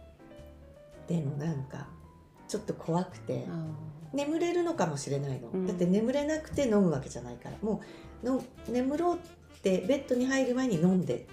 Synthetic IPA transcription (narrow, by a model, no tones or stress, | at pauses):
d̪̥e̞mo̞nãŋka̰ | t͡ɕo̞t̪ːo̞kʰo̞βakɯ̟̥t̪e̞̰ne̞mɯ̟ɾe̞ɾɯ̟no̞kamo̞ɕiɾe̞naino̞̰d̪at̪ːe̞ne̞mɯ̟ɾe̞nakɯ̟̥t̪e̞no̞mɯ̟βake̞ʑanaika̰ɾa̰mo̞ː | nom | ne̞mɯ̟ɾo̞ːtː | e̞be̞t̪ːo̞ɲ̟iɦaiɾɯ̟mae̞ɲ̟inõ̞nd̪e̞̰